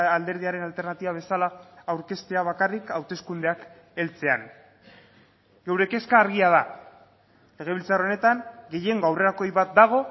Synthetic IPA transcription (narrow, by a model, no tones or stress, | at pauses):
ald̪e̞ɾð̞iaɾe̞nalt̪e̞ɾnat̪iβaβ̞e̞salaːwɾke̞st̪e̞aβ̞akarikawt̪e̞skund̪e̞ak | e̞lt͡se̞a̰n | ɡe̞wɾe̞ke̞skaːɾɣiað̞a | le̞ɣ̞e̞β̞ilt͡saro̞ne̞t̪aŋɡe̞je̞ŋɡawre̞ɾako̞jβat̪̚d̪aɣ̞o̞